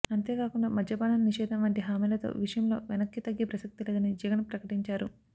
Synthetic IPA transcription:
ɐnt̪e̞ːkaːkuɳɖaːmɐd̪ʱɐbaːnɐnniʂɛːd̪ʱɐnʋɐɳʈiɦaːmiːlɐt̪o̞̰ːʋiʂɐjɐmlo̞̰ːʋɛnɐkːit̪ɐɡːeːpɾɐsɐk̚t̪ilɐɡɐned͡ʒɛɡɐnpɾɐkɐʈiɲt͡ʃaːɾu

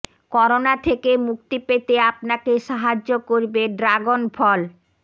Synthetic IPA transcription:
kɔɾonat̪ʰekemuk̚t̪ipet̪eapnakeʃaɦad͡ʑːokoɾbeɖɾaɡonfʰɔl

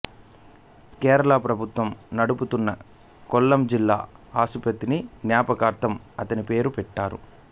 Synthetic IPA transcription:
kɛːɾɐlaːpɾɐbʱut̪ʋɐmnɐɽuput̪unːɐ | kɔlːɐmd͡ʒilːa̰ːaːsupɐt̪ːiniɡnjaːpɐkaːɾt̪ʰɐm | ɐt̪ɐnipe̞ːɾupɛʈːaːɾṵ

